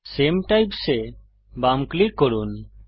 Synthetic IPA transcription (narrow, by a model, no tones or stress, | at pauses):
semʈajpse | bamklikːɔɾun